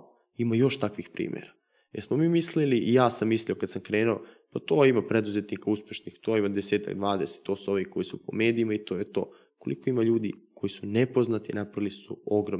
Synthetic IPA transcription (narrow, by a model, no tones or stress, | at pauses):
imajo̞ʃt̪akʋixpɾḭːmʲʔjḛɾa | jeɾsmomiːmisliliʔijaːsamːisliokad̪samkɾe̞ːnuopat̪oːimapɾe̞d̪uzet̪nikauspʲje̞ʃnixt̪oːimad̪ese̞ːt̪a̰ɡ̚d̪ʋaːd̪ese̥t̪ːo̞ːsuo̞ʋiko̞jisupo̰me̞ːd̪iimait̪o̞ːjet̪o̞̰ː | ko̞liko̞imaʎuːd̪ikʰo̞jisunepo̞znat̪inapɾailisṵo̞ɡɾo